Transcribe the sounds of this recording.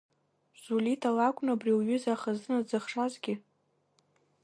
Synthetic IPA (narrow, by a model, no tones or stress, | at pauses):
z̥ulitʰalakʷʼnabriwɥʏzaχazɨnad͡zɨχʂazɡʲɪ